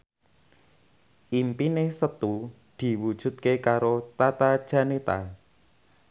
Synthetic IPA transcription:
ʔimpinesət̪u | d̪̥i̤wud̥ʒ̥ṳt̪̚kekaɾot̪at̪ad̥ʒ̥a̤net̪a̰

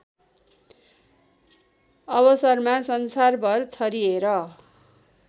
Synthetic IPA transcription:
ʌβʌsʌrmasʌnsarbʱʌrt͡sʰʌɾieɾʌ

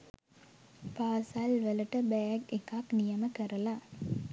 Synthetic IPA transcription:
paːsalʋələʈəbæjæɡekaknijəməkəɾəla

